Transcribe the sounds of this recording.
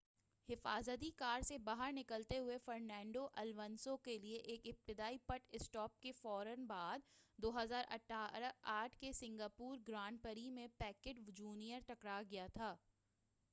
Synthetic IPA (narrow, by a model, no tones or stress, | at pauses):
hɪfaːzət̪̬ikaːɾsebaːɦəɾnɪkəlt̪eɦʊefɐɾnɛ̃ːɳɖoʔɐlʋənsõkelieʔeːkɪp̚t̪ɪd̪aːipɐʈɪsʈɔːp̚kefɔːɾənbaːd̪̚d̪oːɦəzaːɾʔɐ̰ʈʰːaaːʈʰkesɪ̃ŋɡaːpuːɾɡɾãːɳɖ̚pəɾimẽpɛːkeːʈd͡ʒuːnijəɾʈɐkɽaɡɐjat̪ʰaː